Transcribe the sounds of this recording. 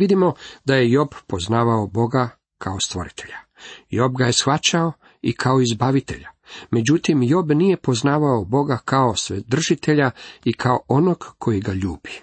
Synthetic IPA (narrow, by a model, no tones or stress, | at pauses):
ʋid̪imo̞d̪aje̞jo̞bpo̞znaːʋaobo̞ɡa | kʰaost̪ʋo̞̰ɾit̪ʰe̞ʎajo̞bɡaje̞sxʋat͡ɕao | ikʰaoizbaʋit̪e̞̰ʎame̞d͡ʑut̪imjo̞bnije̞po̞znaːʋaobo̞ɡakao̞sʋed̪r̩ʒit̪e̞ʎaikʰaoono̞ɡkʰo̞jiɡaʎuːbi̥